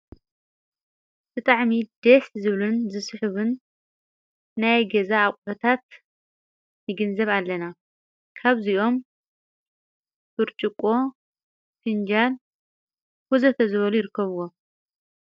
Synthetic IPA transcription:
b̥ɨt̪ʼaʕmid̪̥eszɨβlunzɨsħɨβɨn | ajɡɐzaːkʼbɐt̪ʰat̪ | jɨɡɨnzɐβalːɐna | kʰaβziʔo̞m | b̥ɨɾt͡ʃʼɨkʼo̞ | find͡ʒal | fuzɐt̪ʰɐzɨβɐlujɪɾɨkʰːɐβuwo̞

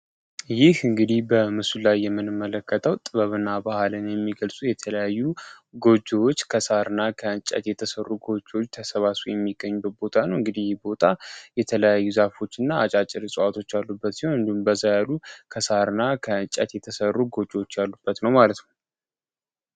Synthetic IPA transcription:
jɪhɨŋɡɨd̪ihbəmɨsulajːɛmːɨnɨmːələkːət̪ʰəwt̪ʼɨβəβɨnːabahalɨnjɛmːiɡəlsʼujɛt̪ʰələjajːu | ɡo̞d͡ʒːwot͡ʃːkʰəsaɾɨnːakʰəɨnt͡ʃʼə̰t̪jɛt̪ʰəsərːuɡo̞d͡ʒːwot͡ʃːt̪ʰəsəβasujɛmːiɡəɲːubət̪̚bo̞t̪ʰanəwɨŋɡɨd̪ihjɪhbo̞t̪ʰajɛt̪ʰələjajːuzafo̞t͡ʃːɪnːaːt͡ʃʼat͡ʃʼːɪɾɨsʼəwat̪ʰo̞t͡ʃːalːubːət̪sihoɨnd̪ihumbəzːajalukʰəsaɾɨnakʰəɨt͡ʃʼət̪jɛt̪ʰəsərːuɡo̞d͡ʒːwot͡ʃːjalːub̥ːət̪nəwmalət̪nəw

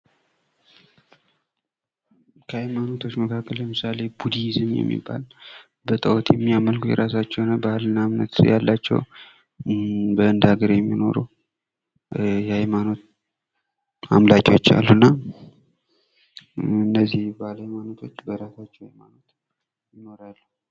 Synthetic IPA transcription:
kʰəhajmano̞t̪ʰo̞t͡ʃːməkʰakːəlləmɨsale̞bud̪izɨmjɛ̰mːḭbːa̰l | bət̪ʼəwot̪jɛmːiaməlkʰujɛ̰ɾasat͡ʃːɛwnəbəalɨnːamnə̰t̪jalːat͡ʃːɛ̰w | bəɨnd̪aɡəɾjɛmːino̞̰ɾṵ | jɛhajmano̞t̪̚ | a̰mlakʼo̞t͡ʃːa̰lːunːa | ɨnːəzːihblajmano̞t̪ʰo̞t͡ʃːbəɾasat͡ʃːɛwhajmano̞t̪ | jɪno̞ɾalːu

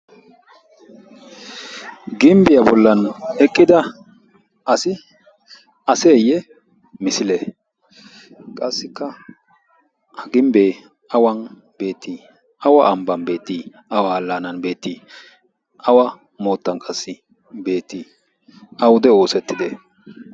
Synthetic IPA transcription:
ɡɪmbɪjɐbɔlːɐnɛkʼːɪd̪ɐ | ɐsɪ | ɐseːjɛ | mɪsɪlɛ | kʼɐsːɪkːɐ | hɐɡɪmbeː | ɐwɐn | b̥e̞ːt̪ːiː | ɐwɐʔɐmbɐnbe̞ːt̪ːiː | ɐwalːanɐnbe̞ːt̪ːiː | ʔɐwɐ | mo̞ːt̪ːɐnkʼɐsːɪ | be̞ːt̪ːi | ɐwʊd̪ɛo̞ːsɛt̪ːɪd̪ɛ

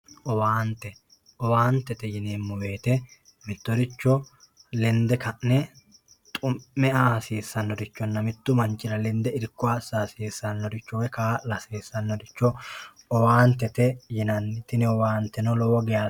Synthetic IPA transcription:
ʔɔwaːnt̪ɛ | ʔɔwaːnt̪ɛt̪ɛjɪneːmːʊweːt̪ɛ | mɪt̪ːɔɾɪt͡ʃːɔ | lɛnd̪ɛkɐʔnɛ | t̪ʼʊmːɛʔasiːsːɐnːɔd̪ɪt͡ʃːɔnːɐmɪt̪ːʊmɐnt͡ʃʼːɪɾɐlɛnd̪ɛɪɾkːʊaːsːaːsiːsːɐnːɔɾɪt͡ʃːɔwɛkaːlɐseːsːɐnːɔd̪ɪt͡ʃːɔ | ɔwaːnt̪ɛt̪ɛjɪnɐnːɪt̪ɪnɪɔwaːnt̪ɛnɔlɔwɔɡɛjaː

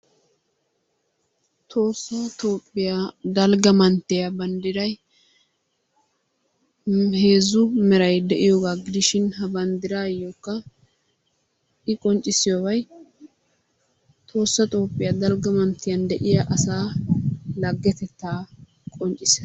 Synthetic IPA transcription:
t̪ʰo̞ːsːɐt̪o̞ːpʼːɪjad̪ɐlɡɐmɐnt̪ːɪjɐbɐnd̪ɪɾɐj | he̞ːzʊmɛɾɐjd̪ɛʔɪjoːɡaːɡɪd̪ɪʃɪnhɐbɐnd̪ɪɾaːjːokːɐ | ʔɪkʼɔnt͡ʃʼːɪsɪjoːbɐj | t̪ʰʼo̞ːsːɐt̪ʼo̞ːpʼːɪjɐd̪ɐlɡɐmɐnt̪ːɪjɐnd̪ɛʔɪjɐʔɐsaː | lɐɡːɛt̪ɛt̪ːaː | kʼɔnt͡ʃʼɪsɛ

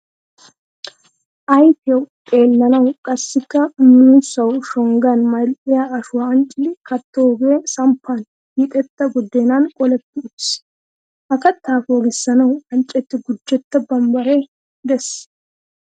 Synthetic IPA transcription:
ʔɐjt̪ɪjɛwtʼe̞ːlːɐnɐwkʼɐsːɪkːɐmisɐwʃɔŋɡanmɐjlʔʼɪjaɐʃʊwɐɐnt͡ʃʼɪlɪkɐt̪ːoɡeːsɐmpʰːan | ɪt̪ʼɛt̪ːɐɡɔd̪ːeːnankʼɔlɛt̪ːɪʊ̥s | ʔɐkɐt̪ːaːfoːɡɪsːɐnɐwɐnt͡ʃʼːɛt̪ːɪɡʊd͡ʒːɛt̪ːɐbɐmbɐɾe | d̪ɛs

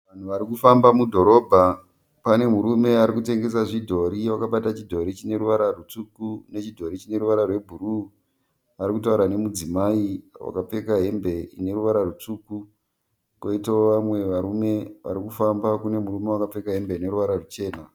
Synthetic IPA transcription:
ʋan̤uʋaɾikufambamudʱo̞ɾo̞ːbʱa | pane̞muɾume̞aɾikute̞ŋɡe̞saʐidʱo̞ɾiwakaɓatat͡ʃidʱo̞ɾit͡ʃine̞ɾuʋaɾarut͡sukune̞t͡ʃidʱo̞ɾit͡ʃine̞ɾuʋaɾarwe̞bʱuru | ʋaɾikutauɾane̞mud͡zimaiwa̰kap͡fe̞kaɦe̞mbe̞ḭne̞ɾuʋaɾarut͡suːku | koitaoʋamwe̞ʋaɾume̞ʋa̰ɾikufambakune̞muɾume̞wakap͡fe̞kaɦe̞mbeine̞ɾuʋaɾarut͡ʃe̞ːna

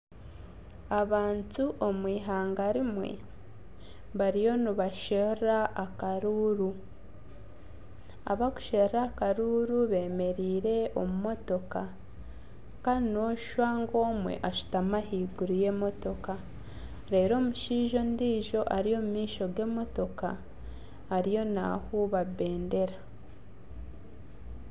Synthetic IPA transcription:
aβaːntuʔomwiːɦaːŋɡaɾimwḛ | βaɾijo̞niβaʃeraʔːkaɾuːɾu | a̰βaɡu̥ʃeɾakaɾuːɾuβe̞ːme̞ɾiːɾe̞o̞mumo̞to̞ka | kano̞ʃwaːŋɡo̞ːmwe̞̰ʔaʃu̥tamahiːɡuɾuje̞ːmo̞to̞ka | ɾe̞ːɾo̞ːmuʃiːʒo̞ndiːʒo̞ʔaɾijo̞ːmumiːʃo̞ɡe̞ːmo̞to̞ka̰ː | ɾijo̞na̰huβaβe̞ːnde̞ɾa

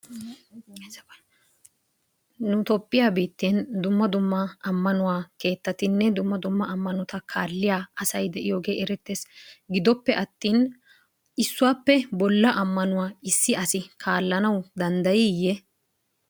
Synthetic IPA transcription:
nʊt̪ɔpʼːɪjaːbiːt̪ːeːnd̪ʊmːɐd̪ʊmːɐɐmːɐnʊwaːke̞ːt̪ːɐt̪ɪnːɛd̪ʊmːɐd̪ʊmːɐɐmːɐnɔt̪ɐkʰaːlːɪjaːɐsɐjd̪ɛʔɪjoːɡe̞ːʔɛɾɛt̪ːesɡɪd̪ɔpːɛʔɐt̪ːiːn | ɪsːʊwaːpːɛbɔlːɐʔɐmːɐnʊwaːɪsːɪʔɐsɪkʰaːlːɐnɐwd̪ɐnd̪ɐjɪjɛ

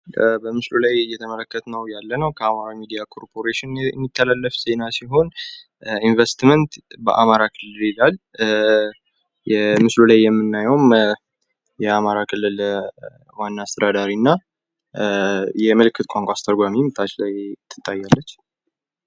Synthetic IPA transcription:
bəmɨslulajjːɛt̪ʰəmələkːət̪ʰnəwjalːənəwkʰəamaɾamid̪ijakʰo̞ɾpʰo̞ɾeʃɪn̰mːit̪ʰːəlalːəfse̞nasiɦo̞n | invest̪mənt̪bəʔa̰maɾakʰɨlːɨlilal | jɛmɨslulajːɛmːɨnːajəwm | jɛamaɾakʰɨlːɨl | wanːaːst̪ʰəd̪ad̪aɾinːa | jɛməlɨkːɨt̪kʷʼaŋkʷʼast̪ʰəɾɡʷamimɨt̪ʰːat͡ʃlajt̪ʰːɨ̥t̪ʼːajːalːət͡ʃː

